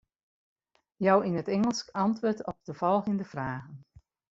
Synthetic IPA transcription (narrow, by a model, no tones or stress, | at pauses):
jɔwinətɛŋəlˠskɑntʋʊːɹtɔp̚dəvɔlˠɣəndəv̥raːɣən